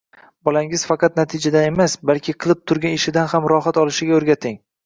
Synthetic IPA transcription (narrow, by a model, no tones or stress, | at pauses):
bɒlaŋɪz̥fɑqʰɑt̪̚nat̪ʰɪd͡ʒad̪ane̞masbalˠkʲʰɪqʰɨlˠɪp̚t̪ʰʊɾɡʲanɪʃɪd̪anhamɾɒɦat̪ɒlɪʃɪɡʲaoɾɡʲat̪ʰɪŋ